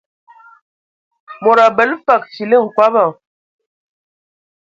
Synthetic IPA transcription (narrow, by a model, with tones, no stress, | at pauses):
mɔ˨ɾa˨bə˨˦lfa˨k̚si˨lə˦˨ŋ̩˨kwa˦ba˨